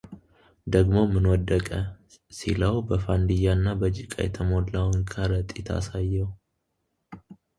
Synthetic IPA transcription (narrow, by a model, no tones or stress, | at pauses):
d̪əɡmo̞mːɨnwɔd̪ːəkʼə | sḭləwbəfand̪ijanːabəd͡ʒikʼa̰jɛ̰t̪ʰəmodlawnkʰəɾət̪ʼit̪ʰa̰sajːɛw